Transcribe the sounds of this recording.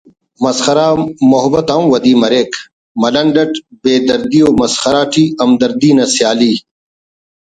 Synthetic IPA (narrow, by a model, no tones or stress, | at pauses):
mɐsxɐɾaːmoɦbɐt̪ɐmwɐd̪iːmɐɾeːk | mɐlɐɳɖɐʈbeːd̪ɐɾd̪ioːmɐsxɐɾaːʈʰiːɐmd̪ɐɾd̪iːnɐsjaːliː